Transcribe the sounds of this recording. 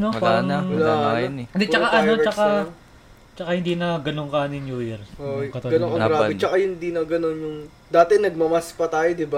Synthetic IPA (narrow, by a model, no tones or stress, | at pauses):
nopaɾɐŋɐlajd̪ɛt͡ʃɐkaʔɐno̞t͡ʃɐka | t͡ʃɐkahɪnd̪iːnɐɡɐnoŋkɐnɪnjuːjɛɾoʔkɐt̪ɐɡɐnoŋkɐɡɾaːbɪt͡ʃɐkahɪnd̪inɐɡɐnonjʊŋ | d̪aːt̪ɛnɐɡ̚mɐmɐspɐt̪aːjod̪ɪba